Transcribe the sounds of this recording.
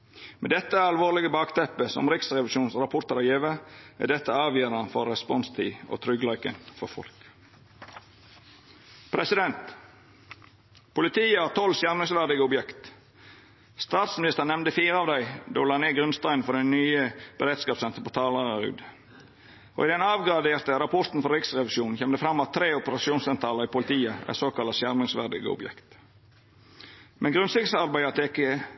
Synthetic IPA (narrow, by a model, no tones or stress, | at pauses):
mɛd̪ɛt̪ːəæɾɑlʋoːʁlɪɡəbɑːkt̪ʰɛpːəsɔ̰mɾɪksɾɛʋlɪʃuːnsɾɑpʰʊɾt̪əɾɑeːʋəæ̰d̪ɛt̪ːəɑːʋjøːɾɑnfɔɾːɛspɔnst̪ʰḭːʔo̰ːt̪ʰɾʏɡlɑʏkə̰nfɔɾfɔ̰lk | pʰɾɛsɪd̪ɛnt̪ | pʰʊlɪt̪ʰiːəɑːt̪ʰɔlsjæɾməsʋæʁd̪ɪɡəʊbjɛkt̪ | st̪ɑːt̪smɪnɪst̪əɾnɛmnd̪əfiːɾəɑːʋd̪æɪd̪oːlɑːneːɡɾʉnst̪ɑɪnfɔɖɛnyːəb̥əɾeːt̪skɑːpsɛnt̪ɾəpʰɔt̪ʰɑːləɾɾʉ̰ːd̪ | ʔo̰ɪd̪ɛnɑːʋɡɾɑd̪eːɾt̪əɾɑpʰɔɾt̪n̩fɔɾɪksʁɛʋɪʃuːnnçɛmd̪əfɾɑmːɑt̪ʰːɾeːʊpəɾɑsuːnsɛnt̪ɾɑːləɾɪpʊlɪt̪ʰiːəæ̰ɾsoːkɑlɑsjæɾmɪŋsʋæ̰ɖɪ̰ɡə̰ʊ̰bjɛ̰kt̪ | mɛnɡɾʉnsɪksɑɾbæɪɑt̪ʰekːə